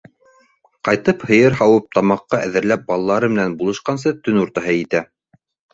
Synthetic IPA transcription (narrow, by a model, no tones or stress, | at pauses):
qɑjt̪ɤphɤ̆jɤɾɦɑwɤp̚t̪ɑmɑqːɑʔæðɘ̆ɾlæp̚bɑlˠɑlˠɑɾɤmɘ̆nænbulˠɤ̆ʃqɑns̬ɤt̪ɵnuɾt̪ɑɦɤjit̪æ